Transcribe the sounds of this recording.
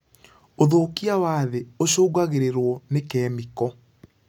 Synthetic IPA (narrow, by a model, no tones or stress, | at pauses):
oðokiawaːðeoɕoːɣaɣeɾeɾwɔnekɛːmikɔ